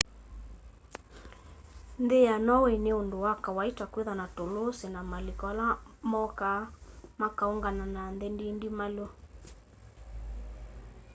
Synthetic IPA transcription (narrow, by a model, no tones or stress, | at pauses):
ndejanɔwɛneondowakawaitakweðanatolosenamalikɔlamɔkamakauŋɡananandendindimalo